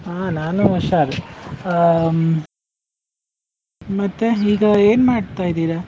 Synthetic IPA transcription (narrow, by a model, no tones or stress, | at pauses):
aːnaːnuɔʃaːɾ | mɐt̪ːeɦiːɡɐeːnmaːɖt̪aːjd̪iːɾa